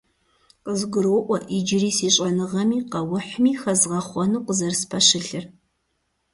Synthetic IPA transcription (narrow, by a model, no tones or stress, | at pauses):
qəzɡʷʊɾwʊʔʷɔʔid͡ʒɪriːsiːɕʼɐnɨʁɐmiːqɐwʊħmiːxɐzʁɐχʷɔnuːqəzɐrspʰɐɕɨɬɨr